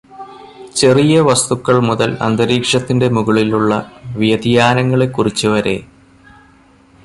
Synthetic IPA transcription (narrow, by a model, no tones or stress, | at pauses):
t͡ɕe̞rijɐʋɐst̪ukːɐɭmuðɐlɐ̰nd̪ɐɾiːkʂɐt̪ːinde̞muɣɐɭiluɭːɐʋijɐd̪ijaːnɐŋːɐɭe̞kːurit͡ɕːuʋɐɾe̞̰